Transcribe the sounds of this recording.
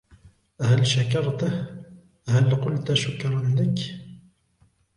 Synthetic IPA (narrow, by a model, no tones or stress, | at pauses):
ʔhalʃakɑɾˤt̪h | halqʊlt̪ʃʊkɾˤɑnlak